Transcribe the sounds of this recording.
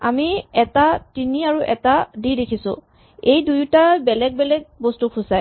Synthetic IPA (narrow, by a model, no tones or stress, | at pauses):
a̰miɛtatiniaɹuʔɛtadidekʰisʊ̰̃ | ejdujtabɛlɛɡ̚bɛlɛɡ̚bostukʰʊ̃saj